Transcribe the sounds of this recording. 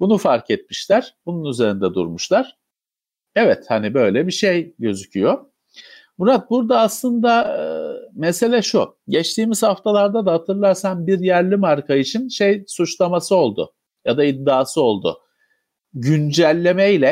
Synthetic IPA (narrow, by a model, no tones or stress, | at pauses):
bunufaɾkʰɛt̪̚miʃlʲæɾ̥bununyze̞ɾind̪ɛd̪ṵɾmuʃlˠaɾ̥ | ɛvɛt̪hanibø̞jlʲɛbiʃejɟø̞zycʰyjo | buɾat̪̚buɾd̪aːslˠɯnd̪a | mese̞lʲɛʃuɟɛt͡ʃt̪iːmiz̥haft̪ʰalˠaɾd̪ad̪ahat̪ʰɯɾlˠaɾsanbiɾjæɾlʲimaɾkʰait͡ʃʰinʃejsut͡ʃlˠamasɯo̞lˠd̪ʊ̰ | jad̪aid̪ːaːsɯo̞lˠd̪ʊ̰ | ɟynd͡ʒælʲːe̞meilʲɛ